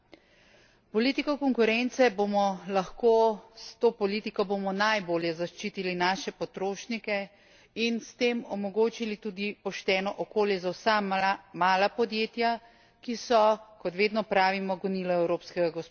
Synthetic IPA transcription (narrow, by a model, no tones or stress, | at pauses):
pɔliːt̪ikɔkɔŋkʊɾɛnt̪sɛbomɔlaxkoːst̪oːpɔliːt̪ikɔbomɔnajboːljɛzaʃt͡ʃiːt̪ilinaːʃɛpɔt̪ɾoːʃnikɛ | inst̪eːmɔmɔɡoːt͡ʃilit̪uːd̪ipɔʃt̪ɛːnɔʔɔkoːljɛzawsamaːlapɔd̪jeːt̪ja | kisɔkɔt̪ʋeːd̪nɔpɾaːʋimɔɡuniːlɔɛwɾoːpskɛɡaɡɔs